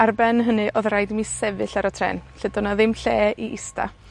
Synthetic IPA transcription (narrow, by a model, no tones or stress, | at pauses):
arbɛnɦənɨʔɔðrajdmisɛvɨɬaɾɔtʰrɛ̰ːnɬɨdɔnaðɪmɬeːiʔɪsta̰